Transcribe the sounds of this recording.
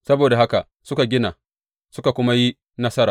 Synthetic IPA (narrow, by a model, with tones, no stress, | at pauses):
sɐ˦boː˨da˨ɦa˦ka˨ | sʊ˦ka˨ɡʲɪ˦naː˨ | sʊ˦ka˨kʷʊ˦ma˦ji˦ | nɐ˦sɐ˦ɾaː˨